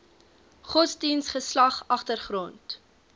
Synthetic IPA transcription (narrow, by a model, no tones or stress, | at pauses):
χɔtsdinsχəslɐχɐχtərχrɔnt